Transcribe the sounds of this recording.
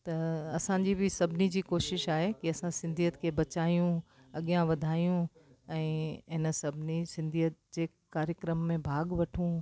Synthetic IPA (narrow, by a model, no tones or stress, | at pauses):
t̪ɐɐsãd͡ʑibɪsɐbʱɪnid͡ʑiːkoːʃɪʃaːɦekiɐsãsɪ̃nd̪ʱijət̪kʰebɐt͡ɕaːijũ | ɐɠijãʋɐd̪ʱaːijũ | ɛ̃ːɦɪnsɐbʱɪnisɪ̃nd̪ʱijət̪̚d͡ʑeː | kaːɾjəkɾəmːẽbʱaːɠʋɐʈʰũ